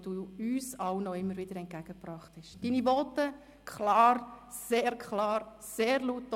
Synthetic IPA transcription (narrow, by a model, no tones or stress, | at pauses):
d̥uːyːsɑwnɔɪmːəɾʋɪd̥əɾɛnt̚ɡ̥æɡ̥əpɾɑχthɛʃd̥iːnibɔtə | kʰχlɑːɾ | seːɾkʰχlɑːɾ | seːɾluːtː